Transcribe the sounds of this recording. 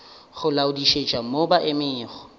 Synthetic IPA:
ɣʊlaʊdiʃed͡ʒt͡ʃʼamobaʔɪmɪːχɔ̥

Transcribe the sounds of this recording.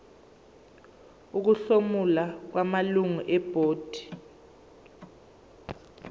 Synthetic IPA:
uk̬uɬomulak̬wamaluŋuʔɛb̥ʱoːd̥ʱi̥

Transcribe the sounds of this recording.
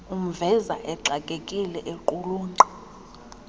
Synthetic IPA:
um̩vɛzaʔɛǀakʼekʼilɛʔeǃuluːnǀɔ

